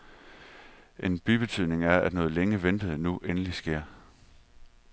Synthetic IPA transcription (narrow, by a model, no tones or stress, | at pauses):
ʔe̝nb̥yb̥e̝t͡sʰyðˠne̝ŋæɐæd̥nɔ̽ːð̞̩ˠleŋəʋend̥əð̩ˠnuʔenəlisɡ̥e̝ɐ̰